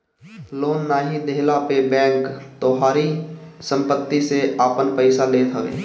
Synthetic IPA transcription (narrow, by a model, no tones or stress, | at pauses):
loːnːaːɦid̪eːlapebɛ̃ːŋkt̪oːɦaːɾisə̃mpət̪ːiseaːpənpəɪsaleːt̪ʰɦəʋḛː